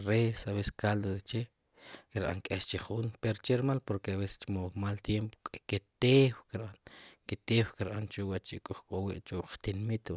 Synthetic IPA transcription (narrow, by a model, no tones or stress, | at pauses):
ɾesaβese̥kald̪oðet͡ʃe | keɾɓa̰ŋkʼeʃt͡ʃeχunpeɾot͡ʃeɾmalpoɾkeaβese̥st͡ʃmomalt̪jempo̥kʼaket̪ewkeɾɓanket̪ewkeɾɓant͡ʃuwat͡ʃikʼuχkʼowiʔt͡ʃuʔqt̪inmit̪